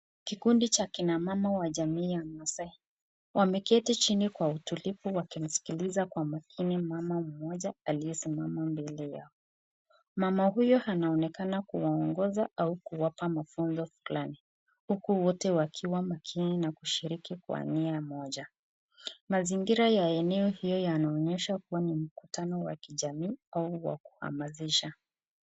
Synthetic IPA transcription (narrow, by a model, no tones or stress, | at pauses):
kikundit͡ʃakinamamawaʄamiːjamasa | wʔamɛkɛtit͡ʃinikwautulifuwakim̩si̥kilizakwamakʰinimamam̩mɔʄaalijɛsimamambɛlɛja̰ɔ | mamahujɔhanaɔnɛkanakuwaɔŋɡɔzaʔaukuwapamafunzɔfulani | hukuwɔtɛwakʰiwamakʰininakuʃiɾikikwa̰niamɔʄa | maziŋɡiɾajaɛnɛɔhijɔjanaɔɲɛʃakuwanim̩kutʰanɔwa̰kiʄamiːauwa̰ku̥ha̰maziʃa